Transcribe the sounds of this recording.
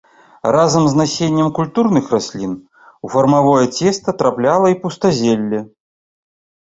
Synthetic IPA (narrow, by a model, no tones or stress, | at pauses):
razɐmznasʲenʲːɛmkulʲt̪urnɨxrasʲlʲin | ufɐrmavɔjɛt͡sʲɛst̪ɐt̪ɾaplʲalˠɐipust̪azʲelʲːɛ